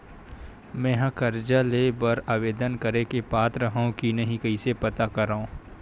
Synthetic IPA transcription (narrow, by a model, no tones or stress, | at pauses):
mɛ̃ːɦãkɐɾd͡ʒaleːbɐɾaːʋeːd̪ənkɐɾekepaːt̪ɾəɦaõkinɐɦĩkɐisepɐt̪akɐɾaõː